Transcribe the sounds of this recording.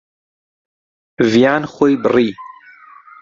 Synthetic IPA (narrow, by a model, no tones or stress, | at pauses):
vijaːnxʷojbɨriː